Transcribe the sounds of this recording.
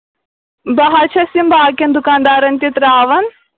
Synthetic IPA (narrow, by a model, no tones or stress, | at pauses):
bɐɦɐt͡ʃʰɐsimbʱaːkɐnd̪ukaːnd̪aːɾɐnt̪it̪ɾaːʋɐn